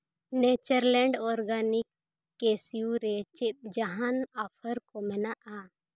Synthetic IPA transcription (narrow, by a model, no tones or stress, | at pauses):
net͡ʃəɾlɛɳɖɔɾɡanɪkː | esijuɾet͡ʃɪt̪̚d͡ʒəɦanapʰəɾkomɛnaʔa